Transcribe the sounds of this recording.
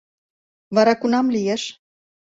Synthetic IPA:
βɑɾɑkunɑmlijeʃ

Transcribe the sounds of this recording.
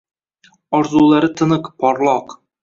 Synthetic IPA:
ɒɾzulˠɑɾɤt̪ɤ̆nɤqpɒɾlˠɑq

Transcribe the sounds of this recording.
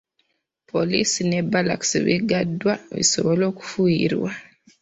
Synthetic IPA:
pʰolisine̞bala̰ksiβḭɡadwaβḭso̞βolo̞ːku̥fuiɾwa

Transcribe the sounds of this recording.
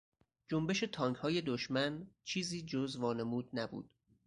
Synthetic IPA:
d͡ʒombe̞ʃe̞t̪ʰɒːŋkhɒːje̞d̪oʃmænt͡ʃʰiːziːd͡ʒozvɒːne̞muːd̪̚næbṵːd̪̥

